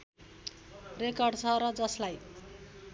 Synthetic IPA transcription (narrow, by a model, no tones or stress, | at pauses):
rekʌrɖt͡sʰʌɾʌd͡zʌslaj